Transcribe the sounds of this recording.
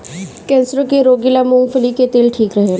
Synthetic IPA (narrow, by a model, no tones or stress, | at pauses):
kɛ̃ːnsəɾõkeɾoːɡilamũːŋfʰəliket̪eːlʈʰiːkɾəɦe